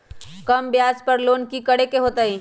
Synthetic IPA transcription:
kɐmbjaːspəɾloːnkikəɽekeɦoːt̪ai

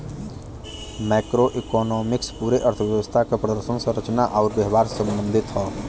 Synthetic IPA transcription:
mɛːkɾoʔɪkɔːnɔːmɪkspuːɾeʔəɾt̪ʰəʋjəʋəst̪ʰakepɾəd̪əɾʃənsəɾət͡ʃnaʔɔːɾbjɛɦʋaːɾsə̃mbə̃nd̪ʱɪt̪ɦɔː

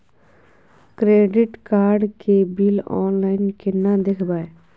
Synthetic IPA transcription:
kɾeːɖɪʈkaːɾɖkebiːlɔ̰ːnlaːɪnkenad̪ekʰbaːe

